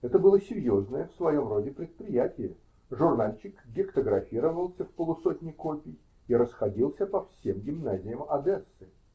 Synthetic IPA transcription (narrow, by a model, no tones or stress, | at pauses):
ɛt̪əbɨlˠəsʲɪɾʲjo̞znəjəfsvɐjo̞mro̞dʲɪpɾʲɪt̪̚pɾʲɪjætʲɪjə | ʐʊrnalʲt͡ɕːɪkɡʲɪkt̪əɡɾɐfʲiɾəvəlˠsʲəfpəlˠʊsot̪ʲnʲɪjkopʲɪj | iɾəsxɐdʲilˠsʲəpɐfsʲe̞mɡʲɪmnazʲɪjəmɐd̪ɛsːɨ